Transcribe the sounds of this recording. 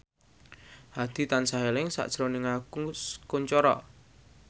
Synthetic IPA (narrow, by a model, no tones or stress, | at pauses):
had̪̥i̤t̪ansaɦelɪŋsa̰ʔd̥ʒ̥ɾonɪŋakukuɲt͡ʃɔɾɔ̰